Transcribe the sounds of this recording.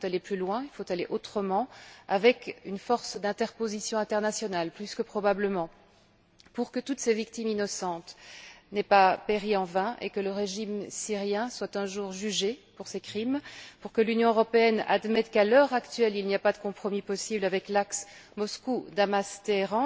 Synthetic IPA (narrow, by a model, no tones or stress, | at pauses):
fot̪aleplylwɛ̃ilfot̪aleʔot̪χəmɑ̃avɛkynfɔʁsd̪ɛ̃t̪ɛʁpozisjɔ̃ɛ̃t̪ɛʁnasjɔnalplyskəpχɔbabləmɑ̃ | puʁkət̪ut̪sɛvik̚t̪iminɔsɑ̃t̪nɛpapeʁiɑ̃vɛ̃ʔḛkələʁeʒimsiʁjɛ̃swat̪ɛ̃ʒuʁʒyʒepuʁsekχimpuʁkəlynjɔ̃øʁɔpeɛna̰d̪mɛt̪kalœʁakt̪ɥɛlilniapad̪əkɔ̃pχɔmipɔsiblavɛklaksmɔskud̪amast̪eʁɑ̃